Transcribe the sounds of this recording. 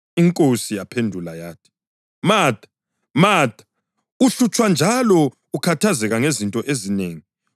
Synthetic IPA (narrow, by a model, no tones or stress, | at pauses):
iŋkʼosijapʰendʱulajaːtʰi̥ | maːtʰʼḁ | maːtḁ | uɬut͡ʃʰʼwand͡ʒʱalɔ | ukʰatʰazɛɣaŋezintʼɔʔezineːŋi